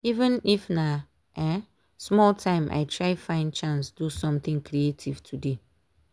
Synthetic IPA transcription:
ivə̃nifna | ʔɛ̃ | smɔltʰãɪ̃mʔa̰jtʰɹajfãɪ̃ndt͡ʃãnsdusɔ̃mt̪ĩŋkʰɾietʰivtʰude

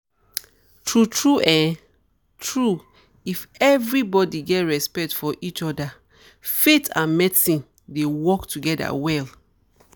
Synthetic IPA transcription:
tʰɹutʰɹuʔɛ̃ | tɹu | ifɛvɹibɔdiɡɛtɹɛspɛk̚tfɔʔit͡ʃɔda | fetã̰nmɛtĩ | dewɔktuɡɛda̰wɛl

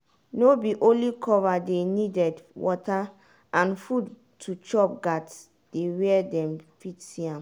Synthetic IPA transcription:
nobiʔõlikʰɔvadenidɛdwɔta | ãnfud | tʰut͡ʃɔp̚ɡat | d̥ewɛɛdɛ̃mfitsiãm

